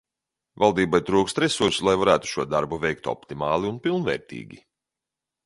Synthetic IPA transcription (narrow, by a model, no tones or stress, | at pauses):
valˠd̪iːbajt̪ɾuːkst̪ɾɛsuɾsulˠajvaɾæːt̪u̥ʃuɔd̪aɾbuvɛjk̚t̪ɔ̰pt̪imɑːlˠiunpilˠnvɛ̰ːɾt̪ḭːɡʲḭ